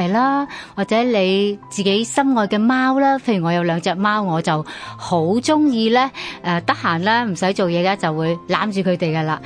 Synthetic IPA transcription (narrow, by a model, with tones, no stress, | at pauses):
jlaː˥waː˨k̚t͡sɛː˨˥le˨˧jt͡siː˨ke˨˥jsɐ˥mŋɔː˧jkɛː˧maː˥wlaː˥pʰe˥jɥyː˨˩ŋɔː˨˧jɐ˨˧wlœː˨˧ŋt͡sɛː˨k̚maː˥wŋɔː˨˧t͡sɐ˨who˨˥wt͡sʊ˥ŋjiː˧lɛː˥ʔɛː˧t̪ɐ˥k̚haː˨˩nlɛː˥m̩˨˩sɐ˨˥jt͡so˨wjɛː˨˧lɛː˥t͡sɐ˨wːuː˨˧jlaː˨˥mt͡ʃyː˨kʰɵ˨˧ɥt̪e˨jkɐ˧laː˧